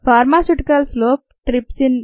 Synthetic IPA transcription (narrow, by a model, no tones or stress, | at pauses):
faːɾmaːsuʈikɐlsloːp̚ʈɾipsin